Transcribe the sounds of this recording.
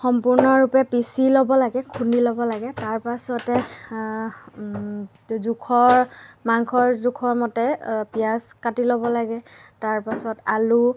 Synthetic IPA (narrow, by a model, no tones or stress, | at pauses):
xɔmpʊɹnɔɹupɛpisilɔbɔlaɡɛkʰundilɔbɔlaɡɛtaɹpasɔtɛ | zukʰɔɹmaŋkʰɔɹzukʰɔɹmɔtɛpijaskatilobɔlaɡɛtaɹpasɔtalu